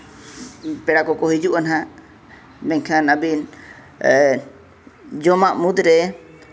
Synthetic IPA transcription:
pɛɽakɔkɔɦid͡ʒuʔanɦa | mɛɲkʰanabin | d͡ʒɔmaʔmud̪ɾɛ

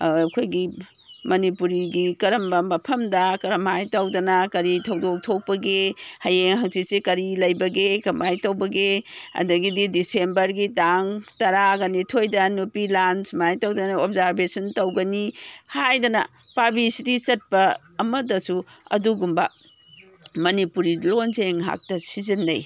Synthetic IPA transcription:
kʰojɡi | mɐnipuɾiɡikɐɾɐmbɐmɐpʰɐmdɐkɐɾɐmhajtɐwdɐnɐkɐɾitʰɐwdok̚tʰok̚pɐɡehɐjeŋɦɐŋsisikɐɾilɐjbɐɡekɐmajtɐwbɐɡeɐ̰dɐɡididisembɐɾɡitaŋtɐɾaɡɐnitʰojdɐnupilansmajtɐwdɐnɐopzaɾbesɐntɐwɡɐnihajdɐnɐ | pabisidisɐt̚pɐː | mɐdɐsuɐ̰duɡumbɐ | mɐnipuɾilonzeŋɦa̰k̚tɐsizɐnːɐ̰j

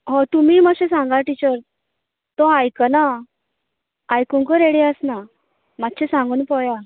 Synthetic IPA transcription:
ɦɔ̃t̪umiːməɕẽsãŋɡaʈit͡ɕəɾ | t̪ɔ̃ajkəna | jkũŋkəɾeɽiəsna | mat̪ːɕẽsãŋɡuːnpɔja

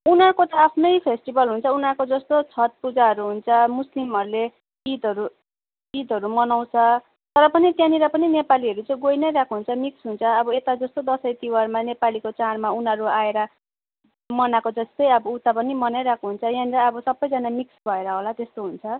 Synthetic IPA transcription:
unɦakot̪ʌapʰnʌjpʰesʈibʌlɦunt͡sʰʌunakod͡zʌst̪ot͡sʰʌt̪̚pud͡zaɦʌɾuɦunt͡sʰʌmuslimʌɾule | id̪ʌɾu | id̪ʱʌɾumʌnaw̃t͡sʰʌ | t̪ʌɾʌpʌnit̪jãniɾʌpʌninepaliʌɾut͡sʌĩɡojnʌjɾakʰuɦunt͡sʰʌmiksɦunt͡sʰʌːbʌet̪ad͡zʌst̪od̪ʌsʌjt̪iwʌrmanepalikot͡sarmaunʌɾuaeɾʌ | mʌnakod͡zʌst̪ʌjʌbʌut̪apʌnimʌnajɾakʰuɦunt͡sʰʌjãniɾʌʌbʌsʌbːʌjd͡zanamiksbʱʌeɾʌɦolat̪est̪oɦunt͡sʰʌ

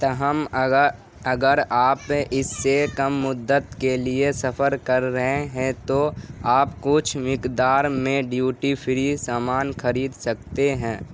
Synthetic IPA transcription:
t̪ɐɦəm | ɐɡəɾaːpʔɪsːekɐmːʊd̪ːət̪keliesɐpʰəɾkɐɾːɐɦeɦɛ̃t̪oaːpkʊt͡ʃʰmɪkd̪aːɾmẽɖjuːʈipʰɪɾisaːmaːnxɐɾiːd̪sɐk̚t̪eɦɛ̃ː

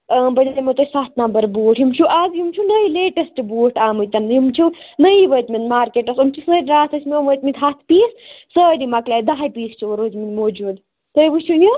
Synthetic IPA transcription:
bɐlʲd̪ɐmot̪ɐsat̪nɐmbɐɾboːʈʰɦjimt͡ʃʰuʔazjumt͡ʃʰunɐileːʈɐsʈboːʈʰaːmɨjt̪ɐnjumt͡ʃʰunɐiʋɐjt̪mind̪maːɾkeʈɐsumt͡ʃʰusəːɾʲɾaːsɐsʲmʲomʋət̪mʲint̪ɦat̪ʰpiːssəːɾimɐklaːjd̪aɦajpiːst͡ʃʰuɾoːzminʲmoːd͡ʒuːd̪ | t̪ɐjʋɨt͡ʃʰuji

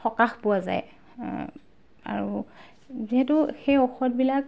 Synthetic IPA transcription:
xɔkaxpʊwaza̰j | a̰ɹu | ziɦɛtʊxejoxɔt̚bilak

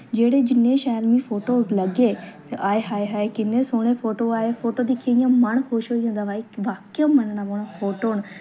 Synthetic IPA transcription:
d͡ʒeːɽed͡ʒɪnẽʃaːlmĩfoːʈolɐɡe | aːeɦaːeɦaːekɪnẽsoːɽ̃efoːʈoaːefoːʈoːd̪ikʰeĩjãmɐɳ̃xoːʃoːiẽːnd̪aʋaːiʋaːkomɐnɽãboːɽ̃ãfoːʈoːñ

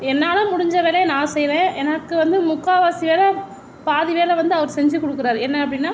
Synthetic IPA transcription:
ɛnːaːlɐ̃mʊɽɪɲd͡ʒɐʋeːleːnãːsɛjɾẽːʔɛnɐkːɯʋɐnd̪ɯmʊkːaːʋaːsiʋeːlɐ | paːðɪʋeːlɐʋɐnd̪ɯɐʋɐɾsɛɲd͡ʒɯkɔɽɯkːɯɾaːɾɛnːɐɐpːɐɽɪnːaː

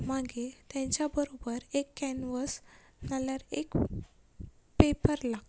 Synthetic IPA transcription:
maɡet̪ɛ̃ɲt͡ɕjabəɾobəɾekːɛnʋəs | naljaɾek | pepəɾlaɡ

